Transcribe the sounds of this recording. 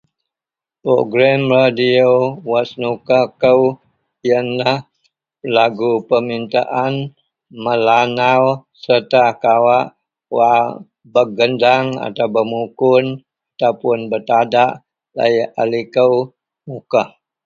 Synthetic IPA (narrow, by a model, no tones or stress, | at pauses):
pɾo̰ɡɾamradiowasnukakəw | ijanlah | laɡupəmint̪a̰ʔan | məlanawsərt̪akawaʔ | wa | bəɡəndaŋa̰t̪awbəmukʊn | at̪awpʊnbərt̪adaʔ | la̰jʔalikəw | mukah